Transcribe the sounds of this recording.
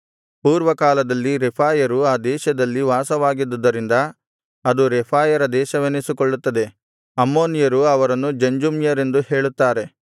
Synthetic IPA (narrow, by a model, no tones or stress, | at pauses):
puːɾʋɐkaːlɐd̪ɐlːiɾɛpʰaːjɐɾuaːd̪ɛːʃɐd̪ɐlːiʋaːsɐʋaːɡid̪ud̪ːɐɾind̪ɐ | ɐd̪uɾɛpʰaːjɐɾɐd̪ɛːʃɐʋenisikɔɭːut̪ːɐd̪e̞ | ɐmːo̞ːnijɐɾuɐʋɐɾɐnːud͡ʒɐɲd͡ʒumjɐɾe̞nd̪uhe̞ːɭut̪ːaːɾe̞